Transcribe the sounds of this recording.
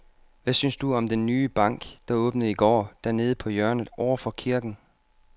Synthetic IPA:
ʋæsynsd̥uɒ̽md̥enːyːb̥ɑ̈ŋ̰ɡ̥d̥ɑ̈ɔ̽ːb̥nəð̩ˠiɡ̥ɒ̰ːd̥æɐne̝ːð̞̩ˠəpʰɒ̽jɶɐnð̩ˠʔɒʊ̰ɐfɒ̽kʰiɐɡ̥n̩

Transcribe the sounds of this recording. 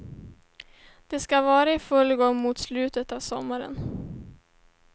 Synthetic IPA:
d̪̥ɛskavɑːɾaɪfɵlɡɔŋːmʊt̪slʉ̟ːt̪ət̪avsɔmːaɾə̰n

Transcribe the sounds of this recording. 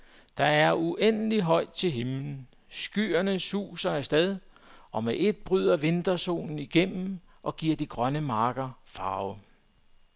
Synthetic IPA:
d̥ɑ̈æɐuʔen̰əliɦɒ̽ɪ̰d̥̚t͡sʰe̝lɦemln̩ | sɡ̥yɐnəsṵːsɐæɐsd̥ɛð̞ˠ | ɒ̽meʔe̝d̥̚b̥ʁyð̞ˠɐʋe̝nd̥ɐso̝̰ːnn̩iɡ̥em̰m̩ | ʔɒ̽ɡ̥iɐ̰d̥iɡ̥ʁɶnəmɑ̈ːɡ̥ɐfɑ̈ːʊ

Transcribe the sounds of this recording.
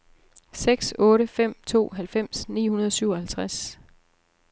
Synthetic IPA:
seɡ̥sɔ̽ːɾəfem̰t͡sʰo̝̰ːɦælfem̰snḭːhunɐð̞ˠɒsyʊ̰ɐhælt͡sʰʁas

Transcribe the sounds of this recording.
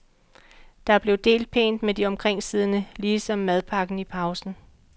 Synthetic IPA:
d̥ɑ̈æɐb̥le̝ʊd̥e̝̰ːld̥̚pʰe̝̰ːnd̥med̥iɒ̽mkʰʁeŋ̰siːð̞ˠnəliːsɒ̽mːæð̞ˠpʰɑ̈ɡ̥n̩ipʰɑ̈ʊsn̩

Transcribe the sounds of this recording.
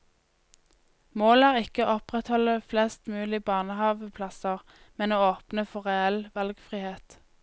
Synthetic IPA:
moːlæːʁɪkəʔɔpʁɛt̪hɔləflɛst̪mʉːlɪbɑːʁnəhɑːʋəpʰlɑsəʁ | mɛnoːoːpnəfɔʁɛɛlʋɑlɡfʁiːheːt̪

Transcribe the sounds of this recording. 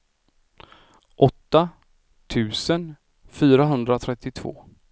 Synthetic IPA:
ʔɔt̪ːa | t̪ʰʉ̟ːsən | fyːɾaɦɵnd̪ɾat̪ʰɾɛt̪ːɪt̪ʰvo̰ː

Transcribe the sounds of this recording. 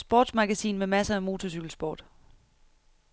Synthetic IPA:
sb̥ɒ̰ːd̥smɑ̈ɡ̥æsḭːnmemæsɐæmo̝ːt͡sʰɒsyɡ̥l̩sb̥ɒ̰ːd̥

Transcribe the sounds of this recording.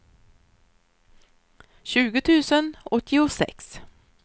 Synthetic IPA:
ɕʉːɡət̪ʰʉːsənɔt̪ʰːɪʊsɛ̰ks

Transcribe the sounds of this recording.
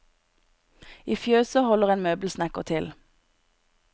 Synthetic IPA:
iːfjøːsəhɔləʁeːnmøːbl̩snækəʁt̪ʰɪl

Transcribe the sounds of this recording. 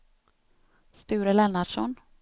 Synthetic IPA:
st̪ʉ̟ːɾəlɛnːaɖʂɔn

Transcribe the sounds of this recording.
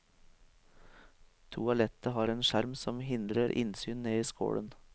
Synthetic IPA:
t̪ʰuːɑlɛt̪əhɑːɾeːnʃæɾmsɔmhɪnd̪ɾəɾʔɪ̰nsyːnneːiːsko̰ːɽən

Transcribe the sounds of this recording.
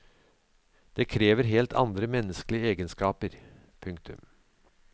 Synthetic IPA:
d̪̥eːkʰɾeːʋəɾɦeːlt̪ʰɑ̰nd̪ɾəmɛnːəskəlɪəeːɡənskɑːpəɾ | pʰɵŋkt̪ʰʉ̰m

